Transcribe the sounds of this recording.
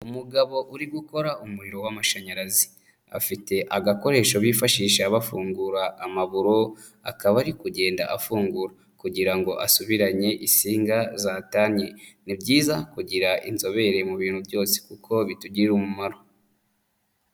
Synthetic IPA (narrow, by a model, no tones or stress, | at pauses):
umuɡaβo̞ʔuɾiɡuko̞ɾaumuɾiɾo̞wamaʃaɲaɾazi̥ | a̰fite̞ʔaɡako̞ɾe̞ːʃoβiːfaʃiːʃeaβafuːŋɡuɾaʔːmaβuɾo̞ | akaβaɾikuɟe̞ːnda̰ʔafuːŋɡuɾa | kuɟiɾaŋɡo̞ʔasuβiɾaɲe̞ʔisiːŋɡazaːtaɲenibɟiːzakuɟiɾaʔinzo̞βe̞ɾe̞muβiːnhubjo̞ːse̥kukʰo̞βituɟiɾumumaɾo